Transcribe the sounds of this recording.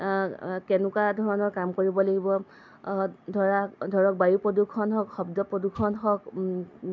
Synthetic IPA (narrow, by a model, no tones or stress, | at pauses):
kɛnʊkadʱɔɹɔnɔɹkamkoɹibɔlaɡibɔ | dʱɔɹadʱɔɹɔk̚bajupɹɔdukʰːɔnɦɔkxɔbdɔpɹɔdukʰːɔnɦɔk